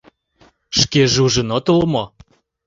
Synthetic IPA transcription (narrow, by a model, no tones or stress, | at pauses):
ʃkeʒuʒə̆not̪olmo